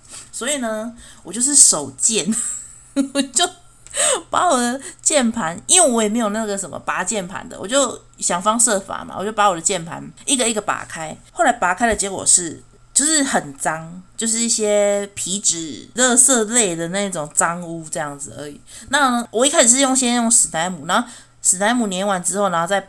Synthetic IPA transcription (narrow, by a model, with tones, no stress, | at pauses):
swɔ˧˥i˨˩nə˧wɔ˨˩t͡ɕjo˥˧ʊʂɻ̩˥˩ʂo˨˩ʊt͡ɕjɛ˥˨n | wɔ˨˩t͡ɕjo˥˧ʊ | pa˧˦wɔ˨˩d̪ə˦t͡ɕjɛ˥˨npʰa˧˦ni˦nwe˥˨wɔ˧˦jme˧˥jo˨˩na˥˩ɡə˩ʂə˨˦nmə̰˨˦pa˧˥˦t͡ɕjɛ˥˩npʰa̰˧˦nd̪ə̰˨wɔ˨˩t͡ɕjo˥˨˩ʊ | ɕjɑ˨˩ŋfɑ˥˦ŋsɤ˥˩fa̰˨˩ma̰˨˩wɔ̰˨˩t͡ɕjo˥˩ʊpa˧˥wɔ˨˩d̪ə˦t͡ɕjɛ˥˩npʰa̰˧˦ni˥˩ɡə˨i˥˩ɡə˨˩pa̰˨˩˦kʰa˦˥ɪxo˥˩ʊla˧˥ɪpa˨˩kʰa˥ɪdə˨˩t͡ɕjɛ˧˥kwɔ̰˨˩ʂɻ̩˥˩ | t͡ɕjo˥˧ʊʂɻ̩˥˩xə˨˩nt͡sɑ˦˥ŋt͡ɕjo˥˧ʊʂɻ̩˥˧i˥˩ɕjɛ˦pʰi˧˥ʈ͡ʂɻ̩˨˩lɤ˥˧sɤ˥˧le˥˩ɪd̪ə˩na˥˧i˥ʈ͡ʂʊ˨˩ŋt͡sɑ˦ŋu˥ʈ͡ʂɤ˥˧jɑ˥˩ŋd͡zɹ̩˨˩ə̰˞˧˥ḭ˨˩na˥˨˩wʔɔ˨i˧˩kʰa˥˩ʂ̩˨˩ʂɻ̩˥˧jo˥˧ŋ˧ɕjɛ˥njo˥˩ŋʂɻ̩˨˩na˧˥ɪmu˨˩na˧˦o˥˩ | ʂɻ̩˨˩na˧˥ɪmu˨˩njɛ˧˥nwa˨˦nʈ͡ʂɻ̩˥o˥˩ʊna˧xo˥˧t͡sa˥˧˩ɪ